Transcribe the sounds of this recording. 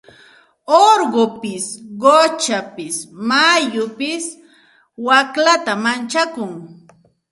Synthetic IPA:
oɾɢopɪsɢot͡ʃapɪsmajʊpɪs | waklat̪amant͡ʃakʊŋ

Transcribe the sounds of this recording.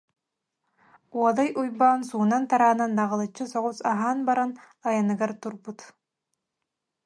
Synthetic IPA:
uɔd̪ajujbaːnsuːnant̪aɾaːnanːaʁɯlˠɯt͡ɕːɯsɔʁusaɦaːnbaɾan | ajanɯɡaɾt̪uɾbut̪

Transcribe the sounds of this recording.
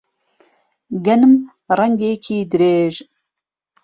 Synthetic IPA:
ɡɐnɨm | rɐŋɡeːkʰiːd̪ɨɾeːʒ

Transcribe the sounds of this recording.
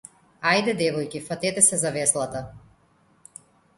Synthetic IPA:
ajd̪ɛd̪ɛvɔjkifat̪ɛt̪ɛsɛzavɛslˠat̪a

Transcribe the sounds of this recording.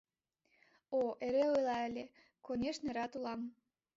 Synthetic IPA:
oʔeɾeojlɑəlʲe | konʲeʃneɾɑt̪ulɑm

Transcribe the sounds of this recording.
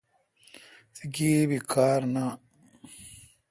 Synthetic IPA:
siɡiːbikaːɾna

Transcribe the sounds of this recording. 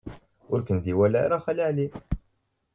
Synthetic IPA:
ʊɾkənd̪iwælaɾaχæliʕli

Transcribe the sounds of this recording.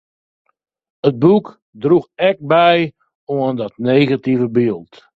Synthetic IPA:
ət̚buk | druxɛk̚bɛj | oəndɔtneːɣativəbɪəlˠt

